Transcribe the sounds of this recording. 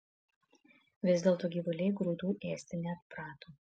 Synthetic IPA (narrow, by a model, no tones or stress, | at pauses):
ʋʲɪzʲd̪ʲeːlˠt̪oːɡʲiːʋʊlʲɛɪɡɾuːd̪uːʔeːsʲt̪ʲɪnʲɛt̪pɾɑːt̪oː